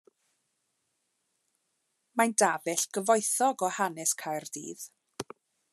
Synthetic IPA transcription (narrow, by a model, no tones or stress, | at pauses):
mandavɛɬɡ̥əvɔjθɔɡɔhanɛskʰajrd̥ḭːð